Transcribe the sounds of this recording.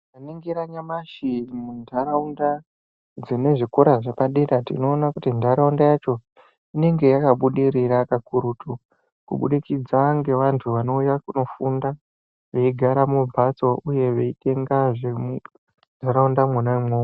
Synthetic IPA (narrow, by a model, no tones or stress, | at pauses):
aneŋɡiɾaɲamaʃimundʱaɾaunda | d͡zine̞ʐikuɾaʐepaɗeɾatḭno̞ːnakutindaɾaundajat͡ʃo̞ | ine̞ŋɡe̞jakaɓuɗiɾirakakuɾutʰu | kṵɓṵɗikid͡zaŋɡe̞ʋantʰuʋano̞ujakuno̞funda | ʋe̞iɡʱaɾamubʱat͡so̞ʔuje̞ʋe̞ite̞ŋɡaʐemu | ndʱaɾaundamwanamwoː